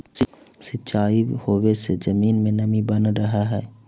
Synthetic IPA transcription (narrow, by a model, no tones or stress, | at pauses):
sɪʃaːihoːwesed͡ʒəmiːnmẽnəmibənɾəɦaɦɛː